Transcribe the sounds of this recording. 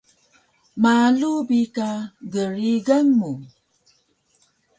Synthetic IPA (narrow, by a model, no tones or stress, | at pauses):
malubikaɡəɾiɡaŋmu